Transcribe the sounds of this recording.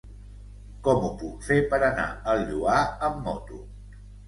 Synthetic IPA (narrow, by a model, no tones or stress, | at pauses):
kɔmupukfepəɾəna̰əlˠʎuaəmːɔt̪u